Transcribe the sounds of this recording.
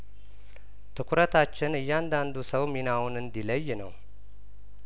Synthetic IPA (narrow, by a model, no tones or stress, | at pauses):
t̪ʰɨkʰʷʊɾət̪ʰat͡ʃːɪnɨjːand̪and̪usəwminawunɨnd̪iləjːnə̰w